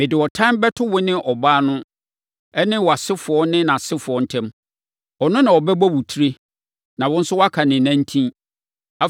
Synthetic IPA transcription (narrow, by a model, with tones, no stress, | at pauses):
mɪ̃˨dɪ˨wɔ˨tʰã˦mbɛ˦tʰʊ˦wʊ˦nɪ̃˦ʔɔ˨baː˦nʊ̃˦ | ɛ˦nɪ̃˦wɔ˨a˨sɪ˦fʊ˨ɔ˦nɪ̃˦nã˨sɪ˦fʊ˨ɔ˦n̩˦tʰɛ̃˦m | ɔ˨nʊ̃˦nã˨wɔ˨bɛ˦bɔ˦wu˨tʰi˦ɾe˦ | nã˨wʊ̃˦n̩˦sʊ˦wa˦kʰa˨nɪ̃˨nã˦n˦tʰĩ˦ | a˨